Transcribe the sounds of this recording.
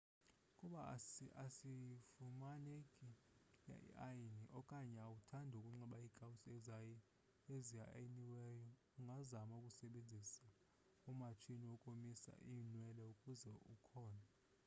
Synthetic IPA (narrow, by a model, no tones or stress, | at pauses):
kʼuɓaasifumanekʼi | ja̰ʔḭʔajiniʔɔkʼaɲɛawutʰandʱukʼuŋ͡ǁŋ͡ǀɛɓaikʼawusɛzaji | ezija̰jiniwɛjɔ | uŋɡʱazamaukʼusɛɓend͡zʱisa | umat͡ʃʰiniwɔkʼomisa̰ʔinwɛlɛukʼuzɛukʰɔːna